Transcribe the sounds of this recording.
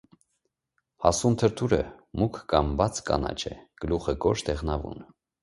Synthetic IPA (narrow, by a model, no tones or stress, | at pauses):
hɑsumt̪ʰəɾt̪ʰuɾəmukʰːɑmbɑt͡sʰkɑ̰nɑ̰t͡ʃʰɛ̰ɡ̥əluχəɡɔʃt̪ʰɛʁnɑvṵn